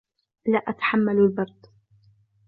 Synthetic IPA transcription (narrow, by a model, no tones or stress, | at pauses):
laːʔat̪ḁħamːallbɑɾˤd̪